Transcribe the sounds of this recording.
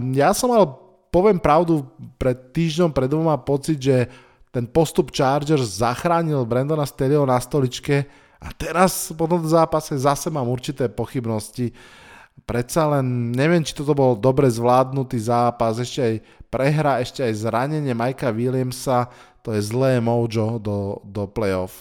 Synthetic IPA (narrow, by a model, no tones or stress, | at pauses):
jasɔmalɛ | pɔʋɪɛmpɾaʊd̪upɾɛt̪ːiːʒɲɔmpɾɛd̪ʋɔmapɔt͡sid̪ʒɛ | t̪ɛnpɔst̪upt͡ʃaːɾd͡ʒɛɾzːaxɾaːɲilbɾɛnd̪ɔnast̪ɛliɔnast̪ɔlit͡ʃkɛ | at̪ɛɾaspɔt̪̬ɔmt̪̬ɔzaːpasɛzasɛmaːmuɾt͡ʃit̪ɛːpɔxibnɔsci | pɾɛt̪salɛnɲɛʋɪɛmt͡ʃi̥t̪ɔt̪̬ɔbɔld̪ɔbɾɛzʋlaːd̪nut̪iːzaːpasɛʃcɛaj | pɾɛɦɾaɛʃcɛajzɾaɲɛɲɪɛmajkaʋilɪɛmsat̪ɔjɛzlɛːmɔʊd͡ʒɔd̪ɔd̪ɔplɛjɔf